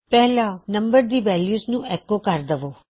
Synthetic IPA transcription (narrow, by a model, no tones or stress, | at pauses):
pɛɦlanɐmbəɾd̪iːʋɛljuːsnũɛkokaːɾd̪əʋo